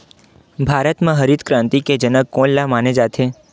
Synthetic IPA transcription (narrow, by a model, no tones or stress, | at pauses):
bʱaɾət̪mãɦəɾid̪kɾãnt̪iked͡ʒənəkːõllamaned͡ʒat̪ʰe